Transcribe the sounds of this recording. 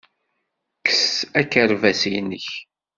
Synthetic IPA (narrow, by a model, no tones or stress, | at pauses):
kə̥sækəɾvæsijnːəç